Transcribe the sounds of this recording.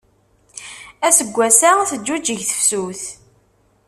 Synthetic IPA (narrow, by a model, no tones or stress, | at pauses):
æsəɡʷːæsaθəd͡ʒːud͡ʒəʝθə̥fsuθ